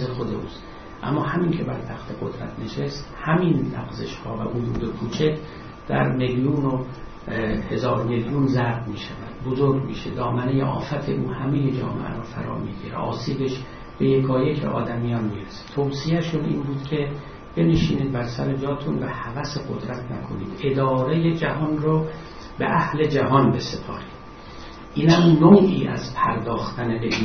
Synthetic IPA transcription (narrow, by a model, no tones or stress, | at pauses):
exod̪eṵːst̪ | ʔæ̰mːɒːhæmincʰe̞bæɾt̪ʰæxt̪ʰe̞ɡo̞d̪ɾæ̰t̪ʰne̞ʃest̪hæminlæ̰ɡzeʃhɒ̰ːvæ̰ʔuduːd̪ekʰuːt͡ʃʰe | d̪̥æ̰ɾmeljuːno | he̞zɒːɾmeljunzæɾbmiːʃævæ̰d̪̥̚bozoɾɡʲmḭːʃed̪ɒːmæne̞jeʔɒ̰ːfæt̪ʰeʔuːhæmejed͡ʒɒ̰ːmḛʔæ̰ɾɔːfæ̰ɾɒ̰ːmḭːɟḭɾḛʔɒ̰ːsiːbeʃ | b̥e̞jekʰɒːjekʰḛʔɒ̰ːd̪æmːijɒːnmiːɾese̥t̪ʰowsiæʃunḭːnbuːd̪kʰe̞ | b̥e̞neʃiːniːd̪̚bæɾsæɾed͡ʒɒːt̪ʰunvæhævæseɡod̪ɾæt̪ʰnæ̰kʰo̞nḭːd̪̥ed̪ɒːɾe̞jed͡ʒæɦɒːnrɔ | bḛʔæhle̞d͡ʒæɦɒnbe̞sepʰɒ̰ːɾiːd̥̪ | ʔiːnhæmnoʔḭːʔæ̰zpʰæ̰ɾd̪ɒːxt̪æneleiː